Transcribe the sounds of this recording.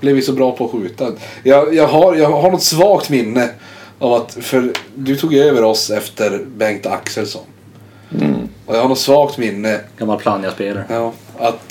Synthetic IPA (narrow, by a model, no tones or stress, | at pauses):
b̥lɛvɪsɔbɾɑːpʰɔːɧʉ̟ːt̪ajɑːɡjɑːɡɦaɾjɑːɡɦaɳɔt̪svɑːkt̪mɪnːə | ʔavat̪fœɾd̪ɵt̪ʰuːɡjøːvəɾɔsɛft̪əɾbɛŋt̪a̰ksɛlsɔn | ɔjahaɳnɔt̪svɑːkt̪mɪnːəɡ̥amːalpʰlɑːnjɑspeːlaɾjɑːat̪